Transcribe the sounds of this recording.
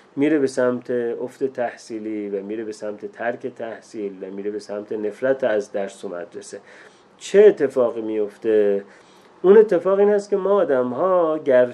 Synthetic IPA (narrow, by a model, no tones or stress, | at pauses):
miːɾe̞be̞sæmt̪ʰeofd̪et̪ʰæhsiːliːvæmiːɾe̞besæmt̪ʰe̞t̪ʰæɾkʰet̪ʰæhsiːlvæmiːɾebe̞sæmt̪ʰe̞ne̞flæt̪ʰæzd̪æɾsomæ̰d̪ɾese̞ | t͡ʃʰeːt̪ʰːe̞fɒːɣiːmijo̞ft̪e̞ | une̞t̪ʰːe̞fɒːɣiːnæst̪cʰemɒːd̪æmɦɒːɟæɾ